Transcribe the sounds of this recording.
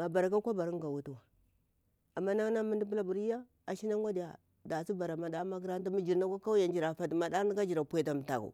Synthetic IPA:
a˨ba˨ɾa˨ka˦kʷa˦ba˨ɾi˦ŋ˦ɡa˨wu˦tu˦wa˨ | a˨mːa˦na˦na˦mu˦ndi˦bu˦la˦bu˨ɾi˦ja˦ | a˨ʃi˦na˦ŋ˦wa˦di˨ja˨ | da˨si˦ba˨ɾa˨ma˨da˦ma˦k̬ɾa˦n˦ta˦mi˦d͡ʒi˨ɾna˦kʷa˦ka˦u˦ja˨nd͡ʒi˨ɾa˨fa˨dma˨da˦ɡa˦d͡ʒi˨ɾa˨pʷe˨ta˨m˨ta˨kṵ˨

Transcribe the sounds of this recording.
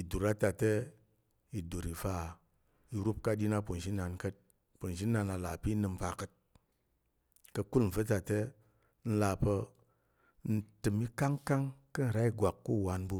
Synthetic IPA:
i˨du˨ɾa˦ta˨te˦ | i˨du˨ɾi˨fa˧ | i˧ɾu˦p̚ka˧ɗi˧na˦po˨n˨ʃi˦na˧nkə˦t̚ | po˨n˨ʃi˦na˧na˧la˨pi˦nɨ˧m˦pa˧kə˧t̚ | kə˧ku˦lm̩˨və˦ta˨te˦ | n̩˦la˧pə˧ | n̩˦tɨ˨mi˦ka˦ŋka˦ŋkə˦n̩˨ɾa˦i˦ɡʷa˨kːu˦˨wa˧nbu˧

